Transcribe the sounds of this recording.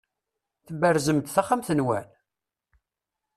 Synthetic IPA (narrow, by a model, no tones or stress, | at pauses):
θəbəɾzəmt̪θaχamθənwæn